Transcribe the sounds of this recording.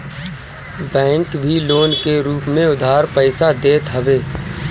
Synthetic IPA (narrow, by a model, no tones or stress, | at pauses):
bɛ̃ːŋkbʱiloːnkeɾuːpmẽʊd̪ʱaːɾpəɪsad̪eːt̪ɦɐʋeː